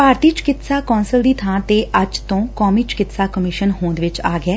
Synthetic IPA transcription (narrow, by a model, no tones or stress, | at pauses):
paːɾt̪iːt͡ʃɪ̥kɪt̪saːkɔ̃ːnsəld̪iːt̪ʰãːt̪eːʔʔəd͡ʒt̪õːkɔːmiːt͡ʃɪ̥kɪt̪saːkəmɪʃənɦõːnd̪ʋɪt͡ʃaːɡɪɛː